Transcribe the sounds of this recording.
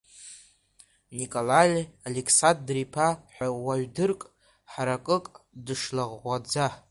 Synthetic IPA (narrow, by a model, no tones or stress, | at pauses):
nikʼolalʲalekʰsandripʰaħʷᶣawaɥdɨrkʼ | ħaɾakʼɨkʼdɨʂlaʁːʷad͡za